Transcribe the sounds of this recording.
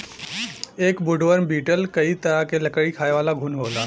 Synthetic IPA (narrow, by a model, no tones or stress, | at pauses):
eːkbʊɖʋəɾmbiːʈəlkɐit̪ɐɾakelɐkəɽikʰaːeʋaːlaɡʱʊnɦoːlaː